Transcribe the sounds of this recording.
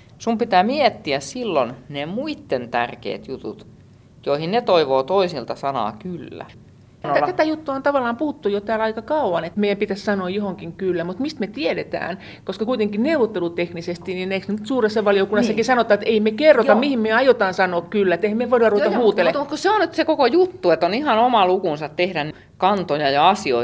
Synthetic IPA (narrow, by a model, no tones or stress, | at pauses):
sumpit̪æːmiet̪ːiæssilːo̰nnemuit̪ːent̪æ̰rkḛːt̪jut̪ut̪ | joihinnet̪oiʋoːt̪oisilt̪ɑsɑnɑ̰ːkylːæ̰ | t̪æt̪æjut̪ːuɑont̪ɑʋɑlːˑɑːmpuhut̪ːujot̪æːlɑikɑkɑuʋɑnet̪meijæmpit̪æssɑnoːjjohoŋkiŋkylːæmut̪mist̪met̪iedet̪æ̰ːn | koskɑkuit̪eŋkinneuʋot̪ːelut̪eknisest̪inineiksnyt̪suːresːɑʋɑliokunːˑɑsːɑkisɑnot̪ˑɑːet̪eimekerːot̪ɑmmihimmeɑjot̪ɑːnsɑnoːkkylːæt̪ːehæmeʋoilɑroit̪ɑhuːt̪elekuseonnyt̪sekokojut̪ːuet̪ːonihɑnomɑlukunsɑt̪tehdæn | kɑnt̪ojɑjɑɑsio̰i